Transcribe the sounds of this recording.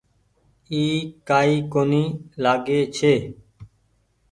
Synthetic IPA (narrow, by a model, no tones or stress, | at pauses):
iːkaːiːkoːniːlaːɡeːt͡ʃʰeː